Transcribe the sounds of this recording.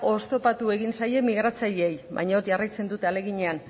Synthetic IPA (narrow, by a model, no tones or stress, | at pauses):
o̞st̪o̞pat̪ue̞ɣinsaje̞miɣɾat͡saʎeejβa̰jɲaoɾʝarajt͡se̞nd̪ut̪e̞ale̞ɣiɲe̞an